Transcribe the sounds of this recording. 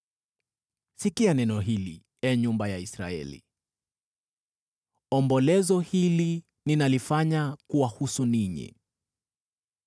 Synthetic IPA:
sikianɛnɔɦilḭ | ɛɲumbajaisɾa̰ɛ̰lḭ | ɔmbɔlɛzɔhili | ninalifaɲakuwahusuniɲḭ

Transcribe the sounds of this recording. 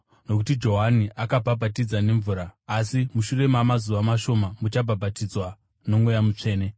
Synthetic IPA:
no̞kutid͡ʒo̞ɦaniʔakabʱabʱatid͡zane̞ɱvuːɾaːsimuʃure̞mamazuʋamaʃo̞mamut͡ʃabʱabʱatid͡zwa | no̞mwujamut͡ʂe̞ːne̞

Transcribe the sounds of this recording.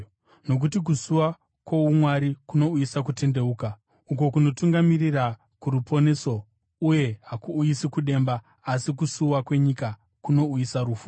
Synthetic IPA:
no̞k̬ut̬ik̬usuwa | kwoumwaɾikuno̞uisak̬ute̞nde̞uːka | uk̬o̞kuno̞tuŋɡamirira | kuɾupo̞ne̞so̞ | uje̞ɦakuːisikuɗe̞ːmbaː | sik̬usuwakwe̞ɲika | kuno̞uisaɾuːfu

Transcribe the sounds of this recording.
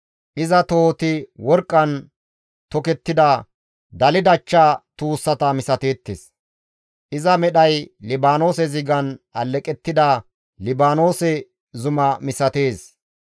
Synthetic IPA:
ʔɪzɐt̪o̞ːt̪ɪwɔɾkʼːɐn | t̪ɔkɛt̪ːɪd̪ɐ | d̪ɐlɪd̪ɐt͡ʃːat̪uːsːɐt̪ɐmɪsɐt̪e̞ːt̪ːḛːs | ʔɪzɐmɛɗɐjlɪbaːno̞ːsɛzɪɡɐnʔɐlːɛkʼɛt̪ːɪd̪ɐ | lɪbaːno̞ːsɛ | zʊmɐmɪsɐt̪e̞ːs

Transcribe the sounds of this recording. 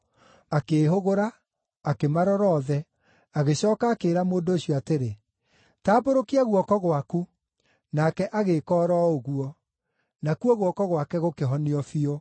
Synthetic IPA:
akeːɦoɣoɾaː | kemaɾɔɾɔðɛ | aɣeɕɔːkaːkeɾamoːndoːɕijɔateɾe | taːboɾokiaɣwɔkɔɣwaku | nakɛʔaɣekɔːɾɔoɣuɔ | nakuɔɣwɔkɔɣwakɛɣokeɦɔneɔfio

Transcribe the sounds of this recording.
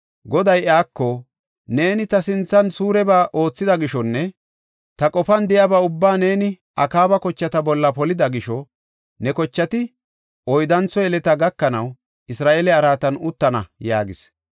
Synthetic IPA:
ɡɔd̪ɐjaːkːɔ | ne̞ːnɪt̪ɐsɪnt͡sːɐnsuːɾɛbaːʔo̞ːt͡sːɪd̪ɐɡɪʃɔnːɛ | t̪ɐkʼɔfɐnd̪ɪjaːbaʊbːaːne̞ːnɪ | ʔɐkaːbɐkɔt͡ʃːɐt̪ɐbɔlːɐpɔlɪd̪ɐɡɪʃɔ | nɛkɔt͡ʃːɐt̪ɪ | ʔɔjd̪ɐnt͡sːɔjɛlɛt̪ɐɡɐkːɐnɐw | ɪsɾaːʔelɛɐɾaːt̪ɐnʊt̪ːɐnɐ̰ja̰ːɡɪs

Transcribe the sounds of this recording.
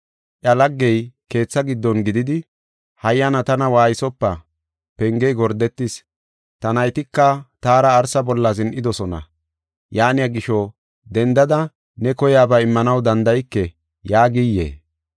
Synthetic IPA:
ʔɐlɐɡːɛjke̞ːt͡sːɐɡɪd̪ːɔnɡɪd̪ɪd̪ɪ | hɐjːɐnɐt̪ɐnɐwaːjɪsɔpːɐ | pɛŋɡɛjɡɔɾd̪ɛt̪ːɪs | t̪ɐnɐjt̪ɪkːɐt̪aːɾɐːɾsɐbɔlːɐzɪnʔɪd̪ɔsɔnɐ̰ | jaːnɪjaɡɪʃɔ | d̪ɛnd̪ɐd̪ɐ | nɛkɔjaːbɐɪmːɐnɐwd̪ɐnd̪ɐjɪkːɛ | jaːɡɪjːḛː

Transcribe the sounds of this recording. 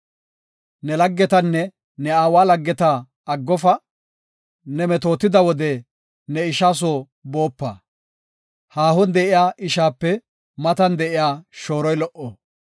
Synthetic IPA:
nɛlɐɡːɛt̪ɐnːɛ | nɛaːwaːlɐɡːɛt̪aː | ɡːɔfɐ | nɛmɛt̪o̞ːt̪ːɪd̪ɐwɔd̪ɛ | nɛɪʃaːs̬o | bo̞ːpːɐ̰ː | haːhɔnd̪ɛʔɪjaːʔɪʃaːpːɛ | mɐt̪ɐnd̪ɛʔɪjaːʃo̞ːɾɔjlɔʔoː

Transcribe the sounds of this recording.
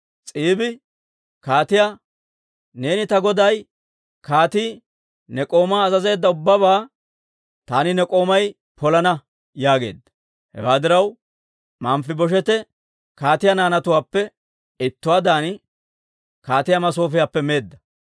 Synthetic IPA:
t͡sʼiːbɪ | kaːt̪ɪja | ne̞ːnɪt̪ɐɡɔd̪ɐj | kaːt̪iː | nɛkʼo̞ːmaːzɐze̞ːd̪ːɐʊbːɐβaː | t̪aːnɪnɛkʼo̞ːmɐj | pɔlɐnɐ | jaːɡe̞̰ːd̪ːɐ̥ | hɛ̰waːd̪ɪɾɐw | maːmfɪbɔʃ̬ɛt̪ɛ | kaːt̪ɪjanaːnɐt̪ʊwaːpːɛ | ɪt̪ːʊwaːd̪aːnɪ | kaːt̪ɪjamɐs̬o̞ːfɪjaːpːɛme̞ːd̪ːɐ

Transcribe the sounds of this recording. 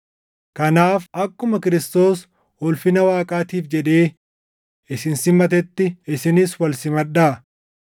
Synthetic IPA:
kɐnaːfɐkːʊmɐkɪɾɪst̪o̞ːs | hɔlfɪnɐwaːkʼaːt̪iːfd͡ʒɛᶑe̞ː | ɪsɪnsɪmɐt̪̬ɛt̪ːɪɪsɪnɪswɐlsɪmɐɗːaː

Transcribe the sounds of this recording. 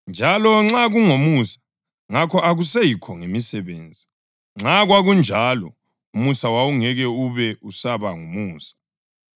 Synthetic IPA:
nd͡ʒʱalɔŋ͡ǁaɣuŋomusḁ | ŋakʰɔʔaɣusejikʰɔŋemisɛβeːnd͡zʱi | ŋ͡ǁaɣwaɣund͡ʒʱalɔ̰ | umusawauŋɛɣɛuβɛusaβaŋumuːsḁ

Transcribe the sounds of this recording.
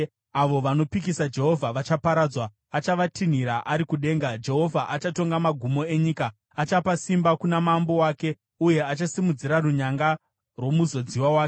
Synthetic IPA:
aʋo̞ʋano̞pikisad͡ʒe̞ɦo̞vʱaʋat͡ʃapaɾad͡zwaː | t͡ʃaʋatʰin̤iɾaʔaɾikuɗe̞ːŋɡad͡ʒe̞ɦo̞vʱaʔat͡ʃato̞ŋɡamaɡʱumo̞e̞ɲikaː | t͡ʃapasimbakunamambo̞waːke̞ | uje̞at͡ʃasimud͡ziɾaruɲaŋɡa | rwo̞muzo̞d͡ziwawaːke

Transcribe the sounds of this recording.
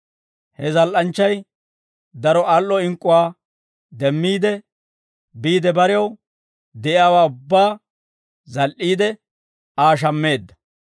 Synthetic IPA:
hɛzɐlʔɐnt͡ʃːɐj | d̪ɐɾɔʔalːɔɪŋkʼːʊwaː | d̪ɛmːiːd̪ɛ | biːd̪ɛbɐɾɛjɐw | d̪ɛʔjaːwaːʊbːaː | zɐlʔiːd̪ɛ | aːʃ̬ɐmːe̞ːd̪ːɐ̥

